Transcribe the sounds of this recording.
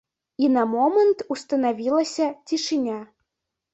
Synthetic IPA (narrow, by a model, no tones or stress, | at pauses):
inamomənt̪ust̪ənavʲilˠəsʲɐtʲiʃɨnʲa